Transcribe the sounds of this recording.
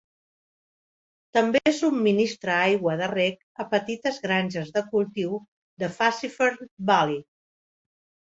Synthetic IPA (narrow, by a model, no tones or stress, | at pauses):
t̪əmbeezummːinist̪ɾəajɣwəðərɛk | əpət̪it̪əzɣɾanʲʒəzðəkulˠt̪iw | ðəfasifəɾbali